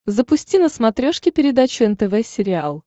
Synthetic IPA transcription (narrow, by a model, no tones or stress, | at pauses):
zəpʊsʲtʲinəsmɐt̪ɾʲoʂkʲɪpʲɪɾʲɪd̪at͡ɕʊɛnt̪ɛvɛsʲɪɾʲɪalˠ